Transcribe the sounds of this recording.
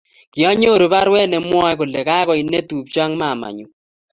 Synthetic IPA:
kɪ˨ɔ˦ɲo˦˨ɾo˨ba˦ɾwɛ˦nɛ˨mwɔ˦ko˨le˨ka˦kɔ˨i˨nːe˦t̪u˨pt͡ʃa˦ŋma˦˨ma̰˨ɲu˨

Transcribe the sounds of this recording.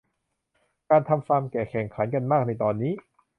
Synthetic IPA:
kaː˧nt̪ʰa˧mfaː˧mkɛː˨˩kʰɛː˨˩ŋkʰa˩˦nka˧nmaː˥˩k̚na˧jt̪ɔː˧nːiː˦˥˩

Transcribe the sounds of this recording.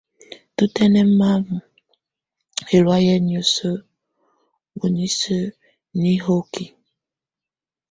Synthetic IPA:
tu˦te˦ne˦m̩˦ma˦mʊ˨ | e˨ɾwa˦je˦ni˨o˨so˦ | wu˨ni˦so˦ | ni˦ɦo˦ki˨

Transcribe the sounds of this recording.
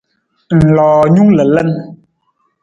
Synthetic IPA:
n̩˨lɔː˨ɲu˦ŋlə˨lɛ˦n

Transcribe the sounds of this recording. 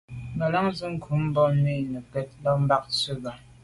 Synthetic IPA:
mə˨la˦ŋzɨ˦ŋ̩˦kʰu˨˦m̩˦bɔ˦ni˦˨nə˨kɛ˦t̚lɔ˦m̩˦ba˦k̚sə˦ba˨

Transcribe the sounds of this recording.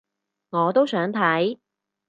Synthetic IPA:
ŋɔː˨˧t̪o˥wsœː˨˥ŋt̪ʰɐ˨˥j

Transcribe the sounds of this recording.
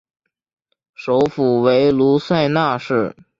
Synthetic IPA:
ʂo˧˥ʊfu˨˩we˧˥ɪlu˧˥swa˥˧ɪna˥˧ʂɻ̩˥˩

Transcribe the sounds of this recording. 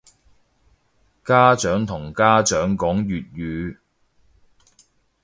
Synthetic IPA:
kaː˥t͡ʃœː˨˥ŋt̪ʰʊ˨˩ŋkaː˥t͡ʃœː˨˥ŋkɔː˨˥ŋjyː˨t̚jyː˨˧

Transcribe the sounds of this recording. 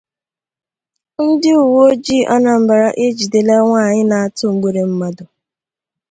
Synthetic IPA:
n̩˦dɪ˦u˨wo˦d͡ʒi˦ʔɔ˦na˨m̩˨ba˨ɾa˦ʔe˦d͡ʒi˨de˨le˦ŋʷaː˦˨ɲɪ˦na˨a˨tʊ˦ŋ͡m̩˨ɡ͡be˦ɾe˨m̩˦ma˦dʊ˨

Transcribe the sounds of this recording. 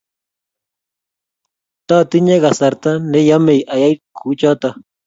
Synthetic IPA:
t̪a˦t̪ɪ˦ɲe˦ɣa˨sa˨ɾt̪a˦ne˦ja˦me˨jʔa˨ja˦jkʰu˦t͡ʃa˦t̪a˨

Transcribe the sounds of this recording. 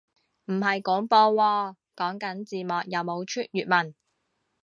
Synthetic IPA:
m̩˨˩ɦɐ˨jkɔː˨˥ŋpɔː˧wɔː˧ | kɔː˨˥ŋkɐ˨˥nt͡siː˨mɔː˨k̚jɐ˨˧wmo˨˧wt͡ʃʰyː˥t̚jyː˨t̚mɐ˨˩n

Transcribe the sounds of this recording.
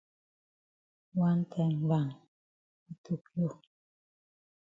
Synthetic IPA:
wa˦n˦tʰɛ˨ŋ˨˦ba˨ŋ | i˨tʰu˦˨k̚jo˦˨

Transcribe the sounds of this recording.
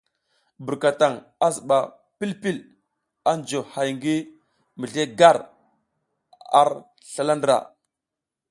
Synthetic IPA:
bə˨ɾka˨ta˨ŋ | a˦zə˨ɓa˨ | pi˦lpi˦l | a˦nd͡ʒo˨ha˨jŋɡi˦ | mə˨ɮe˦ɡa˦˨ɾ | a̰˦ɾ | ɬa˦la˦ndɾa̰˨

